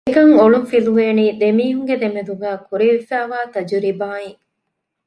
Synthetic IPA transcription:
kɐŋoɭufiluʋeːniːd̪emiːɦuŋɡed̪emed̪uɡæːkuɾiʋifæːʋaːt̪ɐd͡ʒuɾibaːi

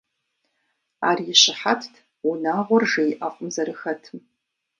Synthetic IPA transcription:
a̰ːrijɪʃɪħatʰtʰ | unaːʁʷʊrʒejʔafʷʼʊmzɐɾɨxɐtʰɨm

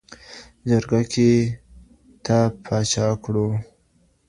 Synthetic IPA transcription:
d͡ʒaɾɡakʰe | t̪apʰɑt͡ʃɑkɽu

